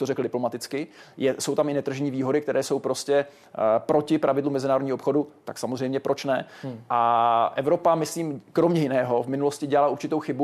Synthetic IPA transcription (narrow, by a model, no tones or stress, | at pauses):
t̪orɛkl̩dɪplo̞mat̪ɪt͡skɪjɛso̞wt̪amɪnɛt̪r̩ʒɛɲiːviːɦo̞dɪk̚t̪ɛɾɛːso̞wpɾo̞scɛ | pɾo̞cɪpɾavɪdlumːɛzɪnaːɾodɲiːopxo̞dut̪aksamozr̝ɛjmɲɛpɾʔo̞t͡ʃnɛʔaʔɛvɾo̞pamɪsliːmkɾomɲɛjɪnɛːɦo̞vmɪnulo̞scɪɟɛlalauɾt͡ʃɪt̪o̞wxɪbu